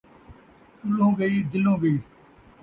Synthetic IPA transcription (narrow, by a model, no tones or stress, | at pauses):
tʊlõːɡəiːd̪ɪlõːɡəiː